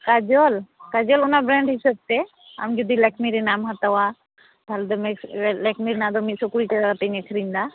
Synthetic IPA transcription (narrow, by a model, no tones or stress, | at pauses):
kad͡ʒɔlkad͡ʒɔlɔnabɾɛɳɖɦisəb̚t̪ɛ | a̰md͡ʒud̪ilɛkʰmiɾinamɦat̪awa | b̪ʱald̪ɔmɛlɛkʰmiɾinad̪ɔmisɔkuliʈɛaat̪eɲɛkʰɾiɲd̪a